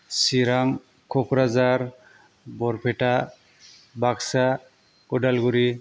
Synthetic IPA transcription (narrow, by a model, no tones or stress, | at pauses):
siɾaŋ | kʰɔkʰɾazaɾ | bɔɾpʰeʈa | baksa | kɔɖalɡuɾi